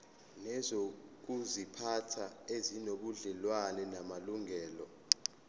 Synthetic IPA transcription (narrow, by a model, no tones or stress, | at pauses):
nɛzok̬uzipʰatʰaezinoɓuɮɛlwanɛnamaluŋɛːlɔ